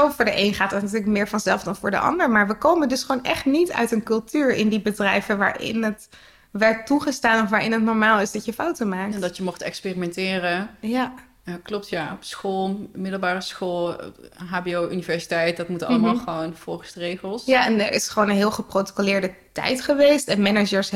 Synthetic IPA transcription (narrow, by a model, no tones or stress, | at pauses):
ofʊːɹdəʔejnχaːtdɑtnatyːləkmɪːɹvɑnzɛlˠfdɑnvʊːɹdə̰ʔɑ̰ndəɹmaːɹʋəkowməndɵsχʋownʔɛχtnitœ̰ɥtənkɵlˠtyːɹɪ̰ndibədrɛjvənʋa̰ːɹʔɪ̰nɦət | ʋɛɹtuχəstaːnɔfʋaːɹɪnɦətnɔɹmaːlˠɪzdɑtjəfawtəmaːk̚tndɑtjəmɔχtɛkspeːrimɛntɪːrəja | aklɔp̚tjaɔpsχolˠmɪdəl̩ˠbaːrəsxolˠɦaːbeoːʔynivɛɹsi̥tɛjt̚dɑtmutɑləmaːlˠχəʋownfɔlˠχəsdərejχəlˠsjaɛnə̰ɹɪ̰sχəʋownənɦɪːlˠχəproto̥kolɪːɹdətɛ̰jtχəʋejstɛnmɛnəd͡ʒəɹs